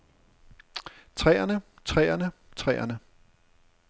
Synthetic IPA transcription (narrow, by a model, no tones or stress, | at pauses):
t͡sʰʁɛ̰ːɐnət͡sʰʁɛ̰ːɐnət͡sʰʁɛ̰ːɐnə